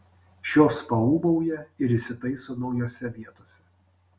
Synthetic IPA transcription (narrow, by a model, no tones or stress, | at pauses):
ʃʲoːspɐuːbɐʊjɛɪɾɪsʲɪt̪ɐɪsoːnɒʊjoːsʲɛʋʲiɛt̪oːsʲɛ